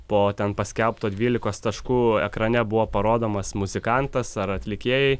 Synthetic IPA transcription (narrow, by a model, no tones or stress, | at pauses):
poːt̪ʲɛnpɐsʲkʲɛlˠpt̪oːd̪ʲʋʲiːlʲɪkoːst̪ɐʃkuːɛ̰kɾɐnʲɛbʊʋoːpɐɾoːd̪oːmɐsmʊzʲɪkɑnt̪ɐsɐɾɐt̪ʲlʲɪkʲeːjɛɪ